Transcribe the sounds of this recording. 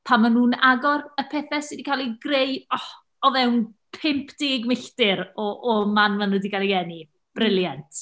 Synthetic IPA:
pʰamanuːnaɡɔɾəpʰɛːθɛsɪdikʰalˠiɡrejɔ | ɔvɛwnpʰɪmpʰd̥ɪɡɪɡmɪɬtɪɾɔʔɔmanmanədikalˠiɛni | b̥rɪlˠjantʰ

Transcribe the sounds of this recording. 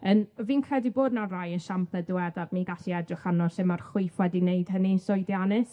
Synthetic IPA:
ənviːnkʰrɛdiboːdnarajənʃampʰədɨwɛdadmiːɡaɬiɛdrɪχanɔsɪmarχwɪɨfwɛdineɨd̥hənisɔjdjanɨs

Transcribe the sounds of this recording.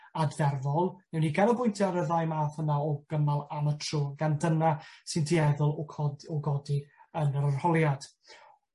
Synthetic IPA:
advɛrvɔlˠnɛwniɡanɔbʊjntʰjaɾəðajmaθənaɔɡ̥əmalˠamətʰruːnɡandənasɪndiɛðʊlˠʰɔɔɡɔdiənəɾərhɔlˠjad̥

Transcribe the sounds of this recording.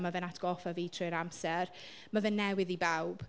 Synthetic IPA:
mavɛnatʰɡ̥ɔfaviːtʰrɨɾamsɛr | mavɛnːɛwɪðibawb̥

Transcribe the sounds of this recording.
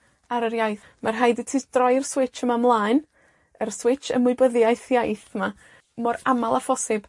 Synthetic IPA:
aɾərjajθ | marɦajditʰid̥rɔɨrswɪt͡ʃəmamlˠaːɨn | ərswɪt͡ʃə̰mʊbəðjaɨθjajθma | mɔɾamalˠafɔsɪb̥

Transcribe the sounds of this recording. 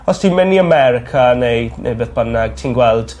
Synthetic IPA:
ɔstʰimɛniamɛɾɪkʰanejnḛbɪðb̥ənaɡ̥̚tʰiːnɡwɛlˠd̥

